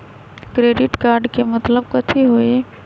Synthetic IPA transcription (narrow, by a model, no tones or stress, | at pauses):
kɾeːɖɪʈkaːɾɖkemɐt̪ləbkɐt̪ʰiɦoe